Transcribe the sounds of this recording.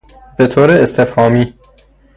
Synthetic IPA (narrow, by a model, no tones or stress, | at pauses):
bet̪ʰoːɾeːst̪ʰefhɒːmiː